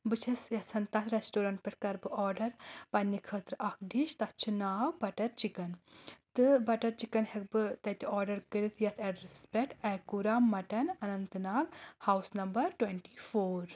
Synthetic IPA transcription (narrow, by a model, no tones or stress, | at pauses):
bɨt͡ʃʰɐsjɐsʰɐnt̪ɐt̪ɾesʈoːɾɐɳʈ̚pʲɛʈkɐɾbɨɔːɾɖɐɾpɐnːikʰəːt̪ɾɨʔɐkʰɖiʃt̪ɐt͡ʃʰunaːwbɐʈɐɾt͡ʃikɐnt̪ɨbɐʈɐɾt͡ʃikɐnɦɛk̚bɨt̪ɐt̪iɔːɾɖɐɾkɨɾit̪jɐt̪ʰɛɖɾɐsspʲɛʈʰɛkuɾaːmɐʈɐnɐnɐnt̪ɨnaːɡhaːwsnɐmbɐɾʈweɳʈifoːɾ